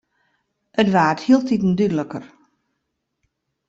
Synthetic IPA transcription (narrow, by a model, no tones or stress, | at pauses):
ətʋaːthiəlˠtitn̩dydələkər